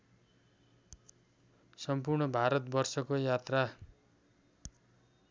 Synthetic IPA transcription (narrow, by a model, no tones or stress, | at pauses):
sʌmpurɳʌbʱaɾʌt̪bʌrsʌkojat̪ra